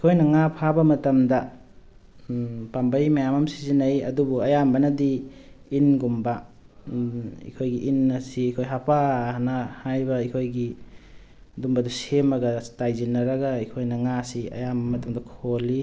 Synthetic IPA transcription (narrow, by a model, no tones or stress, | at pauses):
ikʰojnɐŋapʰabɐmɐtɐmdɐ | pambɐjmɐjamamsizinɐjɐ̰dubuɐjambɐnɐdiː | nɡumbɐ | ḭkʰojɡiʔinːɐsiikʰojɦapahnɐhajbɐikʰojɡi | dumbɐdusemɐɡɐtajzinːɐɾɐɡɐikʰojnɐŋasiɐ̰jambɐmɐtɐmdɐkʰoli